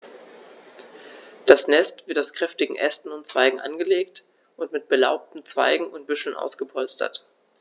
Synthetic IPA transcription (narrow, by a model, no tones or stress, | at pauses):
d̥asnɛstv̥ɪtaʊskʁ̥ɛftɪɡŋ̩ʔɛstn̩ʊntt͡sv̥aɪɡŋ̩ʔa̰nɡəleːkt | ʔʊntmɪt̚b̥əla̰ʊp̚tn̩t͡sv̥a̰ɪɡŋ̩ʊnt̚b̥ʏʃl̩nʔa̰ʊsɡ̥əpʰɔlstɐ̰t